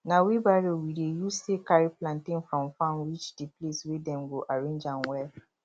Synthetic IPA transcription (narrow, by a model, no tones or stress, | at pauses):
nawibaɾiowiɾejusekaɾiplãntĩnfɾɔ̃mfãnwit͡ʃdipleswedɛ̃nɡoʔaɾẽnd͡ʒãnwɛl